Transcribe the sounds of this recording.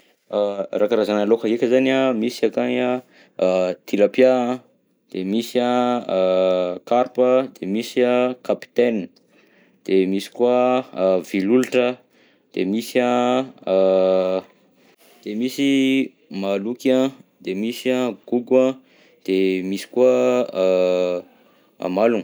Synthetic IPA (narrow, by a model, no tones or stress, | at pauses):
arakaɾazanalokaɦekʲəzanamisakaɲa | t̪ʰilapja | d̪̥emisia | kaɾpəd̪̥emisiakapi̥t̪en | d̪̥emisi̥kwav̥iluluʈ͡ʂə | d̪̥emisa | d̪̥emisi | malukʲãd̪emisiaɡ̥uɡə̃ | d̪̥emisi̥kua | a̰malun